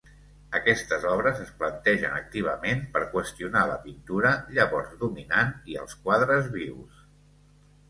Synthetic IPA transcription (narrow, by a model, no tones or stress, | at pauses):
əkɛst̪əzɔβɾəzəsplənt̪ɛʒə̰nə̰k̚t̪iβ̞əmenpəɾkwəst̪iunalə̰pint̪uɾəʎəβɔɾzðuminaniə̰lˠskwaðɾəzβiws